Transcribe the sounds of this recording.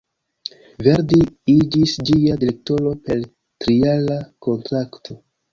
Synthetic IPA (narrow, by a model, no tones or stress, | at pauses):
ve̞ɾdiid͡ʒisd͡ʒiadile̞k̚to̞lo̞pe̞l | tɾialako̞ntɾaktʰo